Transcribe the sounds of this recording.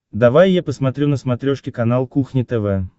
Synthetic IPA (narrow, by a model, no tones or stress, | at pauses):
d̪ɐvajːapəsmɐt̪ɾʲunəsmɐt̪ɾʲoʂkʲɪkɐnalˠkuxnʲɪt̪ɛvɛ